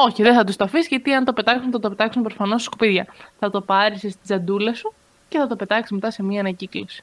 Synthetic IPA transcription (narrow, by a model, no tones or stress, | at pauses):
o̞çiðeθɐt̪ust̪ɐfisʝɐt̪iɐnt̪o̞pe̞t̪ɐksunθɐt̪ope̞t̪ɐksumpɾofɐno̞st̪iskopiðʝɐθɐt̪o̞pɐɾisest̪izɐnd̪ulesu | ce̞θɐt̪o̞pe̞t̪ɐksizme̞t̪ɐse̞miɐːnɐciklosi̥